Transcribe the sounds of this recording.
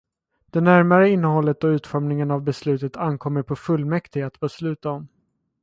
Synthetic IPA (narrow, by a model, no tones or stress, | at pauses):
d̪̥ɛnæɾmaɾəɪnːəhɔlːət̪̚ɔʉ̟ːt̪fɔɾmnɪŋənavbɛslʉ̟ːt̪ət̪ankʰɔmːəɾpʰɔfɵlːmɛkt̪ʰɪat̪bəslʉ̟ːt̪aɔm